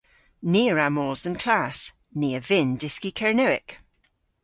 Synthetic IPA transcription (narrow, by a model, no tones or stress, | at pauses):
niːəɹamɔːzðə̃nkʰl̥as | niːəvɪ̃ndɪskikʰɛɹnəwɪ̰k